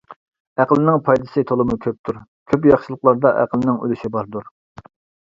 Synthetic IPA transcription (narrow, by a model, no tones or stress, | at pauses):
æqəlˠɪnɪŋpʰɑjd̪ɨsɨt̪ʰolˠɨmukʲʰøp̚t̪ʰuɾ | kʲʰøpjɑχʃɨlˠəqlˠɑɾd̪ɑʔæ̰qəlnɪŋy̰lyʃibɑɾd̪uɾ